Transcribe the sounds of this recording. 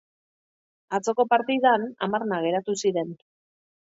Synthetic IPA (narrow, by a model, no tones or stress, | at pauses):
at͡so̞ko̞paɾt̪iðana̰marnaɣ̞e̞ɾat̪usiɾe̞n